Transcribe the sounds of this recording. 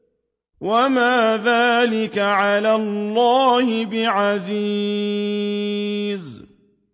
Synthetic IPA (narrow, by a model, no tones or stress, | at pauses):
wamaːðaːlɪkaʕalaːllːaːhɪbɪʕazi | z